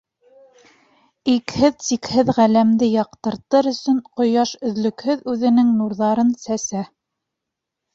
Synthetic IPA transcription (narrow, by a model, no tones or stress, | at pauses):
ikhɘðsikhɘðʁælæmd̪ɘjɑqt̪ɤ̆ɾt̪ɤɾɵ̆sɵɴqŏjɑʃɵ̆ðlɵ̆khɵðʉðɘ̆nɘŋnuɾðɑɾɤnsæsæ